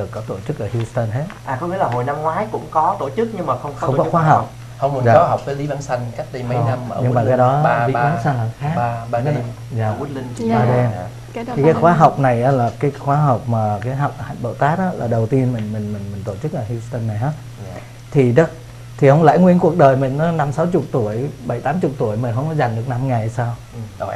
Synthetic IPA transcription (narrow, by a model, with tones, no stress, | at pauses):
ɗɨ˨˩əkːɔ˨˦t̪o˧˩t͡ɕɨ˦˥k̚ʔəː˧˩hji˧st̪ə˧nɦe˦˥t̚ʔaː˨˩kɔ˧˦ŋ͡mḭ˧˥əlaː˨˩ɦo˨˩jna˧mŋwaː˨˦jkʊ̰˧˥ŋ͡mkɔ˨˦t̪o˧˩t͡ɕɨ˦˥k̚ɲɨ˧ŋmaː˨˩xə˧wŋ͡mxxə˧wŋ͡mkɔ˨˦xwaː˨˦ɦa˨˩wk͡p̚ | hə˧wŋ͡mmə˨˩zaː˨kɔ˨˦ɦa˨˩wk͡p̚faː˨˦li˨˦vaː˨˦nsa˧jŋka˦˥jk̚ɗə˧jma˧jna˧mː˨˧ɲɨ˧˦maː˨˩kaː˨˦jɗɔ˨˦˧aː˨˦nsa˧nlaː˨˩˨xaː˨˦˥ka˧kaː˨˦˧ | zaː˨˩˨li˧ŋ˧ɓaː˧ɗe˧nʰ | i˨kaː˨˦jxwaː˨˦ɦa˨˩wk͡p̚na˨˩jʔaː˨˦laː˨˩kaː˨˦jxwaː˨˦ɦa˨˩wk͡p̚maː˨˩kaː˨˦jɦa˨˩wk͡p̚ha̰˧˨ŋ̟ɓə̰˧˨wt̪aː˦˥t̚ʔaː˨˦laː˨˩ɗə˨˩wt̪i˧ənmi˨˩ŋ̟mï˨˩ŋ̟mï˨˩ŋmi˨˩ŋ̟t̪o˧˩t͡ɕɨ˦˥k̚ʔaː˨˩hi˧st̪ə˧nːa˨˩jʔaː˨˦ | t̪ʰi˨˩ɗə˨˦ | t̪ʰi˨˩hə˧wŋ͡mla̰˧˥jŋwi˧ənku˨˩ək̚ɗəː˨˩jmï˨˩ŋ̟ʔa˨˦na˧msa˨˦wt͡ɕʊ˨˩k͡p̚t̪u˧˩əjɓə˧˩jt̪aː˨˦mt͡ɕʊ˨˩k͡p̚t̪u˧˩əjmï̟˨˩ɦə˧wŋ͡mkɔ˨˦za˨˩jŋ̟ɗɨ˨˩ək̚na˧mŋa˨˩jsaː˧w